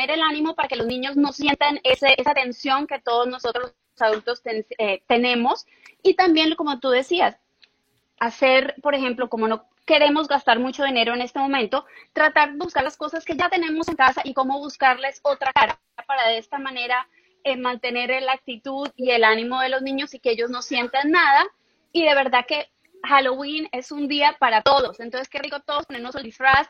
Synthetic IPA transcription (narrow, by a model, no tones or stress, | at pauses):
eɾe̞lanimo̞paɾake̞lo̞znĩɲo̞zno̞sje̞nt̪anesesat̪e̞nsjo̞ŋke̞t̪o̞ð̞ozno̞so̞t̪ɾo | saðult̪o̞st̪enet̪e̞ne̞mo̞s | it̪ambje̞nlko̞mo̞t̪uðe̞sias | ase̞ɾpo̞ɾexe̞mplo̞ko̞mo̞no̞ | ke̞ɾe̞mo̞zɡast̪aɾmut͡ʃo̞ð̞ine̞ɾo̞e̞ne̞st̪e̞mo̞mẽnt̪o̞t̪ɾat̪aɾðeβuskaɾlasko̞saske̞ʝat̪ene̞mo̞se̞ŋkasaʔiko̞mo̞βuskaɾle̞so̞t̪ɾakaɾa | apaɾaðeest̪amane̞ɾa | emãnt̪e̞ne̞ɾelak̚t̪it̪uðie̞lanimo̞ðe̞lo̞znĩɲo̞sikeeʝo̞zno̞sje̞nt̪anːaða | iðe̞βe̞ɾðake̞ | xalowine̞sund̪iapaɾat̪o̞ðo̞sent̪o̞nseskerikot̪o̞ðosponeɾnoseld̪ifɾas